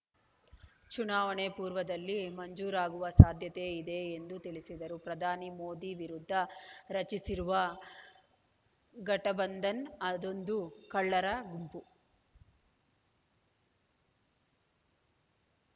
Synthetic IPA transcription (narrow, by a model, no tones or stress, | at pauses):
t͡ʃunaːʋɐɳepuːɾʋɐd̪ɐlːimɐɲd͡ʒuːɾaːɡuʋɐsaːd̪ʱjɐt̪eid̪e̞ːnd̪ut̪iɭisid̪ɐɾupɾɐd̪ʱaːnimoːd̪iʋiɾud̪ʱːɐɾɐt͡ʃisiɾuʋɐ | ɡɐʈɐbɐnd̪ʱɐnɐd̪o̞nd̪ukɐɭːɐɾɐɡumpu